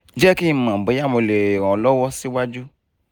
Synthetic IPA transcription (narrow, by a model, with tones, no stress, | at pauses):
d͡ʒɛ˦ki˦˧mã˨be˨˦ja˦˨mõ˨˧˨le˨ɾ̃ɔ̃˨lɔ˦wɔ˦si˦wa˦d͡ʒu˦